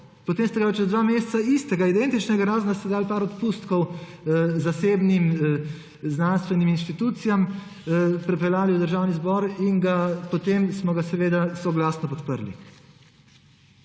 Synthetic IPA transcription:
pɔt̪eːmst̪ɛɡapat͡ʃɛzd̪ʋaːmeːst̪saist̪ɛɡaid̪ɛnt̪it͡ʃnɛɡaɾaːznast̪ɛd̪aːlpaːɾɔt̪pust̪kɔw | zaseːbnim | znanst̪ʋɛniminʃt̪it̪uːt̪sijam | pɾɛpɛlaːliwd̪əɾʒaːwnizbɔɾiŋɡapɔt̪emsmɔɡasɛʋeːd̪asɔɡlaːsnɔpɔt̪pəɾlḭ

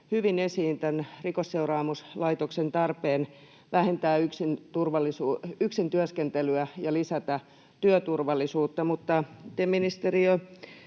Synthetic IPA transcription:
hyʋinesiːnt̪ænrikosseurɑːmuslɑit̪oksent̪ɑrpeːn | ʋæhent̪æːyksint̪urʋɑlːisuːyksint̪yøskent̪elyæjɑlisæt̪æ | t̪yøt̪urʋɑlːˑisuːt̪ːɑmut̪ːɑt̪eminist̪eriø

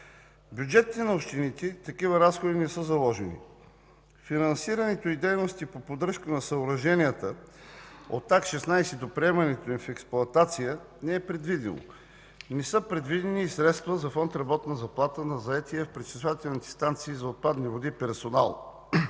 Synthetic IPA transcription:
bʲjud͡ʒɛt̪ʲːɛnɐopʃt̪init̪ɛt̪ɐkivəɾasxod̪inɛsɤzɐlˠɔʒɛnḭ | finɐnsiɾənɛt̪oid̪ɛjnost̪ipopod̪ɾɤʃkənɐsəoɾɐʒɛnijət̪ə | o̰t̪ːakʃɛsnajsɛd̪opɾiɛmɐnɛt̪oimfɛksplˠʊɐt̪at̪sijə | nɛɛpɾɛd̪vid̪ḭno̰ | nɛsɤpɾɛd̪vid̪ɛniːsɾɛt̪st̪vəzɐfɔnt̪ɾɐbɔt̪nəzɐplˠat̪ənɐzɐɛt̪iɛfpɾɛt͡ʃisvat̪ɛlnit̪ʲi̥st̪ant̪siːzɐot̪̚pad̪nivod̪ipɛɾsona̰lˠ

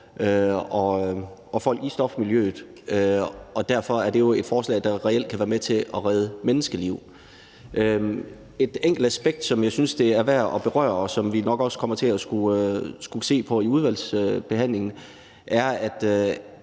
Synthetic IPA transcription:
øɒ̽ɒ̽fɒ̽l̰ɡ̥isd̥ɒ̽fmiljø̰ːð̩ˠøɒ̽d̥æɐfɒ̽æɐd̥e̝jo̝e̝d̥fɒːslɛ̰ːd̥ɑ̈ʁɛel̰d̥̚kʰæʋæːɐmet͡sʰe̝ʔɒʁɛð̞ˠəmenəsɡ̥əliʊ̰ | ʔø | e̝d̥eŋ̰ɡ̥l̩d̥æsb̥eɡ̥̚d̥sɒ̽mjɑ̈ɪsynsd̥e̝æɐʋæɐ̰ɒ̽b̥e̝ʁɶ̰ɐɒsɒ̽mʋinɒ̽ɡ̥ɒ̽skʰɒ̽m̰ɐt͡sʰe̝æsɡ̥uøsɡ̥use̝̰ːpʰɒ̽iuð̞ˠʋæl̰sb̥e̝ɦæn̰le̝ŋn̩ | ʔæɐæd̥

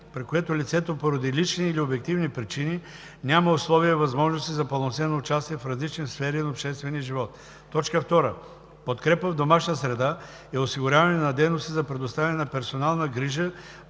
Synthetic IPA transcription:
pɾikoɛt̪olʲit̪sɛt̪opoɾɐd̪ilit͡ʃniːliobɛk̚t̪ivnipɾit͡ʃini | nʲaməoslˠɔviəvɐzmɔʒnost̪izɐpɐlˠonsɛnoʊt͡ʃast̪iɛfɾɐzlit͡ʃnisfɛɾinɐopʃt̪ɛst̪vɛniəʒivɔt̪ː | ɔt͡ʃkəft̪ɔɾə | pot̪kɾɛpəvd̪omaʃnəsɾɛd̪a | ɛosiɡʊɾʲjavɐnɛnɐd̪ɛjnost̪izɐpɾɛd̪ost̪avʲɛnɛnɐpɛɾsonalˠnəɡɾiʒə

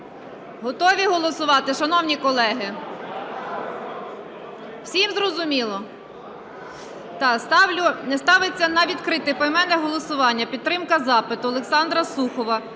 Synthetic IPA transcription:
ɦɔt̪ɔʋʲiɦɔlˠɔsʊʋɑt̪ɪʃɐnɔwnʲikɔlˠɛɦɪ | wsʲimzɾɔzʊmʲilˠɔ | t̪ɑst̪ɑwlʲʊnɛst̪ɑʋɪt͡sʲːɐnɐʋʲit̪kɾɪt̪ɪpɔjmɛnɛɦɔlˠɔsʊʋɑnʲːɐpʲid̪̚t̪ːɾɪmkɐzɑpɪt̪ʊɔlˠeksɑnd̪ɾɐsuxɔʋɐ

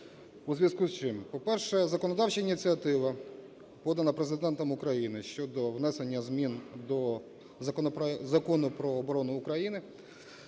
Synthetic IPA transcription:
uzʋʲɐskuzt͡ʃɪmpɔpɛrʃɛzɐkɔnɔd̪ɑwt͡ʃɐinʲit͡sʲiɐt̪ɪʋɐ | pɔd̪ɐnɐpɾezɪd̪ɛnt̪ɔmʊkɾɐjinɪʃt͡ʃɔd̪ɔwnɛse̞nʲːɐzmʲind̪ɔ | zɐkɔnʊpɾɔːbɔɾɔnʊːkɾɐjinɪ

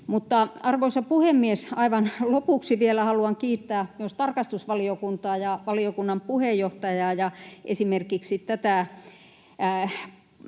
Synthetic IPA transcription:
mut̪ːɑɑrʋoisɑpuhemːiesɑiʋɑnlopuˑksiʋielæhɑluɑŋkiːt̪ːæːost̪ɑrkɑst̪usʋɑliokunt̪ɑːjɑʋɑliokunːɑmpuhejjoht̪ɑjɑːjɑʔḛsimerkikssit̪t̪æt̪æˑ

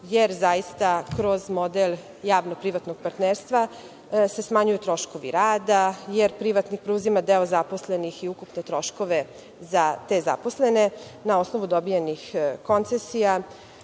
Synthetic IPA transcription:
jeɾzajist̪akɾozmo̞d̪el | jaːʋnopɾiʋat̪noɡ̚paɾt̪neːɾst̪ʋa | se̞smaɲujut̪ɾo̞ʃko̞ʋḭɾaːd̪ajeɾpɾiʋat̪nixpɾeuzimad̪eozapo̞slenixiukupne̞t̪ɾo̞ʃko̞ʋe̞ | zat̪e̞za̰posle̞ne̞nao̞sno̞ʋud̪o̞bijenixko̞nt̪sesija

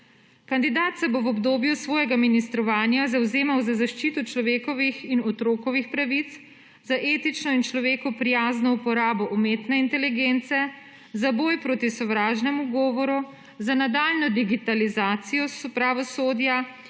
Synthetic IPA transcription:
kand̪id̪aːt̪sɛboʋɔbd̪oːbjusʋɔːjɛɡaminist̪ɾɔʋaːnjazawzeːmawzazaʃt͡ʃiːt̪ɔt͡ʃlɔʋeːkɔʋixinɔt̪ɾoːkɔʋixpɾaʋit̪s | zaʔeːt̪it͡ʃnɔint͡ʃlɔʋeːkɔpɾijaːznɔupɔɾaːbɔʔɔmeːt̪nɛint̪ɛliɡeːnt̪sɛ | zabɔːjpɾoːt̪isɔʋɾaːʒnɛmuɡɔːʋɔɾu | zanad̪aːlnɔd̪iɡit̪alizaːt̪sijɔspɾaʋɔsoːd̪ja

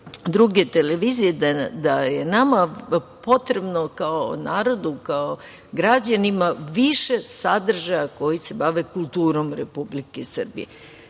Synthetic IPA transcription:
d̪ɾuɡe̞t̪eleʋizijed̪ad̪aje̞namapo̞t̪ɾe̞bnokaonaːɾo̞d̪ukao | ɡɾad͡ʑanimaʋiʃe̞sad̪r̩ʒajako̞jise̞baʋe̞kulˠt̪uːɾo̞mɾepublikesr̩bḭjḛ

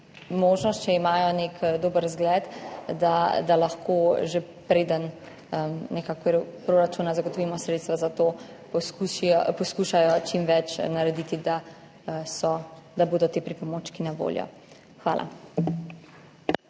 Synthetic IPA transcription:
moːʒnɔst̪t͡ʃɛimaːjɔnekd̪oːbəɾzɡlɛt̪d̪ad̪alaxkʰoʒe | pɾeːd̪ən | ənɛkakɾpɾoɾat͡ʃunazaɡɔt̪ɔʋiːmɔsɾeːt̪st̪ʋazat̪o | pɔskuʃiɔpɔskuʃajɔt͡ʃimʋɛt͡ʃnaɾɛd̪it̪id̪a | sɔd̪aboːd̪ɔt̪eːpɾipɔmot͡ʃkinaʋo̰ljɔ̰ | xʋa̰ːlʔa̰

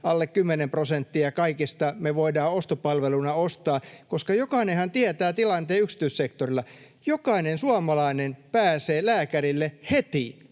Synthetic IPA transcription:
ɑlːekkymːenemprosent̪ːiɑkɑikist̪ɑmeʋoidɑːost̪opɑlʋelunɑost̪ɑːkoskɑjokɑinehænt̪iæt̪æːt̪ilɑnt̪eːyksi̥t̪yissekt̪orilːɑ | jokɑinensuɑmɑlɑinenpæːseːlæːkæɾilːehet̪i

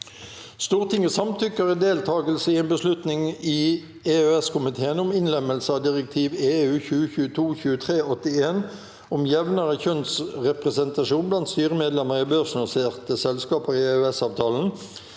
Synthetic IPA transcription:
st̪uːʁt̪ʰɪŋəsɑmt̪ʰʏkːəʁəd̪eːlt̪ʰɑːɡəlsəɪeːnbəslʉt̪nɪŋi | eːøɛskʊmɪt̪ʰeːənʊmɪnlɛməlsəɑd̪ɪʁək̚t̪ʰiːʋeːʉːçʉːəçʉːət̪ʰuːçʉːət̪ʰʁeːɔt̪ɪeːn | ʊmjɛʋnɑʁəçœnsʁɛpʁɛsɛnt̪ɑʂuːnblɑnt̪st̪yːʁəmeːd̪lɛməʁibœʁsnʊseːʁt̪əsɛlskɑːpəʁɪeøɛsɑːʋt̪ʰɑːln̩

